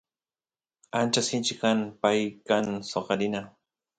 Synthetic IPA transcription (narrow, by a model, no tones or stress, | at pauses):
ant͡ʃasɪnt͡ʃɪkanpajkansoqɑɾɪna